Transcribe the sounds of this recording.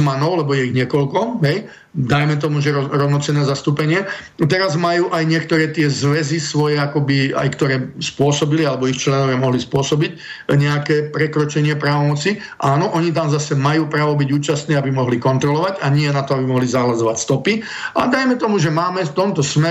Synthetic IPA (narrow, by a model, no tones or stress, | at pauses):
manɔʊlɛbɔjɛiɣɲɪɛkɔlkɔɦɛj | d̪ajmɛt̪̬ɔmuʒɛɾɔɾɔʊnɔt͡sɛnɛːzast̪uːpɛɲɪɛt̪ɛɾazmajuːʔajɲɪɛkt̪ɔɾɛːt̪ɪɛzʋɛzisʋɔjɛakɔbia̰jkt̪ɔɾɛːspʊɔsɔbilialɛbɔixt͡ʃlɛnɔʋɪamɔɦlispʊɔsɔbic | ɲɛakɛːpɾɛkɾɔt͡ʃɛɲɪɛpɾaːʋɔmɔt͡si | ʔaːnɔʔɔɲit̪̬amzasɛmajuːpɾaːʋɔbiɟuːt͡ʃast̪nɛːabimɔɦlikɔnt̪ɾɔlɔʋaɟaɲɪɛnat̪ɔabimɔɦlizaɦlazɔʋacst̪ɔpi | a̰d̪ajmɛt̪ɔmuʒɛmaːmɛft̪ɔmt̪ɔsmɛ